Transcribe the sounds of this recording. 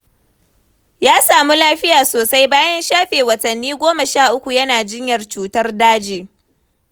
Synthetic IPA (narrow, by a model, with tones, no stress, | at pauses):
jaː˦saː˨mu˦laː˦ɸɪ˦jaː˨soː˨sa˦jbaː˦jɐ˦nʃaː˦ɸeː˨wɐ˨tɐ˨nːiː˦ɡʷoː˦mɐ˨ʃaː˦˨ʔʊ˦kʷu˨jɐ˦naː˨d͡ʒɪ˦ɲjɐ˨rt͡ʃuː˨tɐ˦rdaː˦d͡ʒeː˨